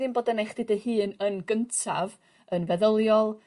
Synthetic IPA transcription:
ðinboːdənejχd̥ɨdəhɨːnənɡəntʰav | ənvɛðəlˠjɔlˠ

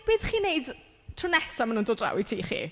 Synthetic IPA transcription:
b̥iːðχiːnejd | tʰrʊnɛsamanuːndɔːdra̰witʰiːχḭː

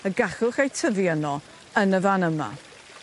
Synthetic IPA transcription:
əɡaχʊχejtʰəvjənɔ | ənəvanəma̰

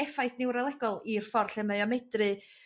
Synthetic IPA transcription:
ɛfajθnɪwɾalˠɛɡɔlˠir̥fɔrɬɛməɨɔmɛdrɨ

